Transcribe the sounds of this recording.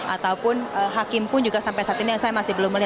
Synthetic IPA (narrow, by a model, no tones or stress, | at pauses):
ʔat̪awpʊnəɦakɪmpʊnd͡ʒuɡasampajsaat̪inijaŋsajamasɪhbəlʊmːəliɦa